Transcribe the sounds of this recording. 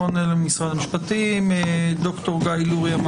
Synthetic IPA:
onelmisʁadamiʃpatimd̪o̞kto̞ʁɡajluʁjam

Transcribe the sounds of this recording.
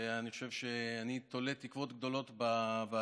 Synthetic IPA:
aniχoʃe̞vʃeanit̪olet̪ikvo̞t̪ɡ̚d̪o̞lo̞t̪baba

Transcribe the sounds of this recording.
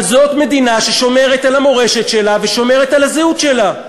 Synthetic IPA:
zo̞t̪me̞d̪inaʃe̞ʃo̞me̞ʁet̪alamo̞ʁe̞ʃet̪ʃe̞lave̞ʃo̞me̞ʁetalazeut̪ʃe̞la

